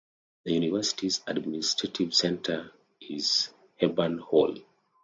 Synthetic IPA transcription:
ðəjunivɛsi̥tizadministʰɹ̥etʰivsɛ̃ntʰə | iz̥ | hɛbãnhɔl

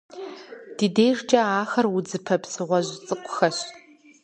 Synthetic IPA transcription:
d̥iːdeːjrt͡ʃʼɐaːxɐrwʊd͡zɨpʰɐpsɨʁʷɔʑt͡sʼɨkʷʼʊ̥xɐɕ

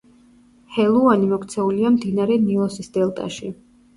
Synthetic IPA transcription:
hɛlˠuanimɔkʰt̪sʰɛuliamd̪inaɾɛnilˠɔsisd̪̥ɛlˠt̪ʼa̰ʃi

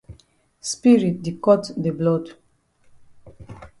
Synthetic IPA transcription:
spiɹit̚dikɔtdəblɔd

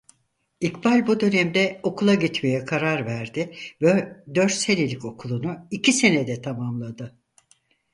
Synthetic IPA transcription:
ikbalʲbud̪ø̞nɛmd̪ɛo̞kʰulˠaɟit̪me̞jɛkʰaɾaɾvæɾd̪ɪvɛd̪ø̞ɾt̪selʲelʲico̞kʰulˠunuicʰise̞ned̪ɛt̪ʰamamlˠad̪ɯ

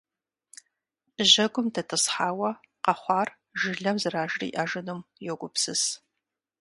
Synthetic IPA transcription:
ʑɐɡʷʊmtʰɐtʰɨsħaːwɐ | qɐχʷɑːr | ʒɨɮɐmzɨraːʒrḭːʔaʒɨnɨmjoɡʷʊpsɨs

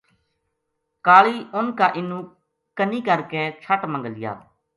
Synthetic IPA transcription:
kaːɭiːʔʊnkaːʔɪnːũː | kəniːkəɾkeːt͡ʃʰəʈmə̃ŋɡəlɪja̰ː

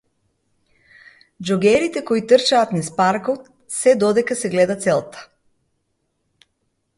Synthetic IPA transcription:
d͡ʒɔɡɛɾit̪ɛkɔit̪ərt͡ʃaːt̪nispaɾkɔt̪ | sɛd̪ɔd̪ɛkasɛɡlɛd̪at̪sɛlˠt̪ḁ

